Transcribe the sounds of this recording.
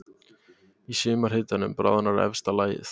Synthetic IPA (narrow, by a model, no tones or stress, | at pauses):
isʏːmaɾ̥hɪːt̪anʏmpɾa̰ːðanaɾɛ̰fst̪alaːjɪ̰θ